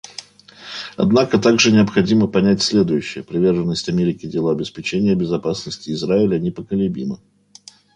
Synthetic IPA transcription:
ɐ̰d̪nakət̪aɡʐɨnʲɪəpxɐdʲiməpɐnʲætʲsʲlʲe̞d̪ʊjʉɕːɪjəpɾʲɪvʲe̞rʐənːəsʲtʲɐmʲeɾʲɪkʲɪdʲɪlˠoɐbʲɪspʲɪt͡ɕenʲɪjəbʲɪzɐpasnəsʲtʲɪːzɾaɪlʲənʲɪpəkəlʲɪbʲimə

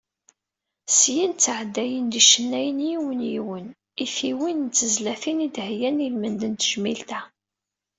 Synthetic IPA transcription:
sjint͡sːʕəd̪ːæjənd̪iʃənːæjənjiwənjiwən | ifiwint͡sːəzlæfinid̪hjænilmənd̪ənt̪əʒmilt̪æ

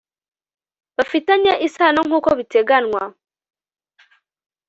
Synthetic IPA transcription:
βafitaɲaʔisanoŋ̥uːkoβiteɡanwa

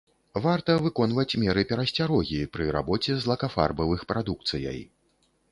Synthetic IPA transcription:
vart̪ɐvɨkɔnvɐt͡sʲmʲɛɾɨpʲɛɾɐsʲt͡sʲaɾɔɣʲipɾɨɾa̰bɔt͡sʲɛzlˠɐkafa̰rbɐvɨxpɾad̪uk̚t̪sɨjɐ̰j

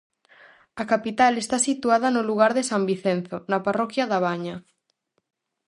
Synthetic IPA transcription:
akapit̪alest̪asit̪uaðɐnoluɣ̞aɾðesambiθenθonaparɔkjaðaβ̞aɲa

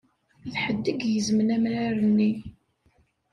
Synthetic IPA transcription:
ðħəd̪ːəɡjəzmənæmɾaɾənːi

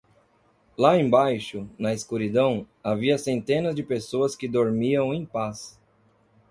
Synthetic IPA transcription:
laẽbajʃʊnɐɪskuɾid̪ɐ̃w̃ | aviɐsẽnt̪ẽnɐzd͡ʒɪpesoɐskɪd̪oɾmiɐ̃w̃ẽj̃pas

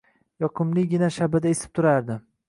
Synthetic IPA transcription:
jɒqʰɨmlˠɪɡʲɪnaʃabad̪aesɪ̥p̚t̪ʰʊɾaɾd̪ɪ

